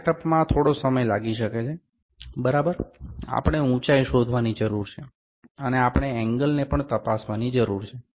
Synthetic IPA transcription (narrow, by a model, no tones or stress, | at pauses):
ʈəpmãt̪ʰoɽosəməjlaɡiʃəket͡ʃʰe | bəɾabəɾa̰pəɽ̃eũt͡ʃajʃod̪ʱʋanid͡ʒəɾuɾt͡ʃʰe | əneapɳ̃eɛ̃ŋɡəlnepəɳt̪əpasʋanid͡ʒəɾuɾt͡ʃʰe